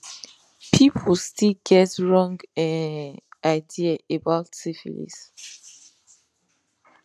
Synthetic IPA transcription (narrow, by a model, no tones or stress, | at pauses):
pʰipʰəlstilɡɛtɹɔ̃ŋɡã | ʔaɪdiaʔebaʊtsifḭlḭs